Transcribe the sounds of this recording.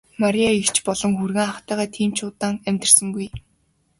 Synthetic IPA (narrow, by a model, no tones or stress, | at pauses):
maɾʲijaikt͡ɕpɔɮɞ̆ŋxurɣĕːŋaχt̪æːʁæːt̪ʰiːmt͡ɕʰʊːt̪aːŋæmʲt̪̆r̥sə̆ŋɡuj